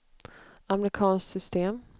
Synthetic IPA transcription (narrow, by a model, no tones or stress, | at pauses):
amɾɪkʰɑːnsksʏst̪eːm